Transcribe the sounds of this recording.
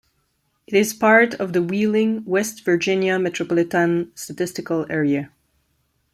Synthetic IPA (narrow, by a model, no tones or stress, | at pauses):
ɨɾɪz̥pʰɑɹɾʌvðəwilˠɪ̃ŋwɛstv̥ə˞d͡ʒɪ̃njɨmɛtʰɹ̥ɔpɔlˠɪtə̃nstətɪstɨkəl̩ˠɛɹiɨ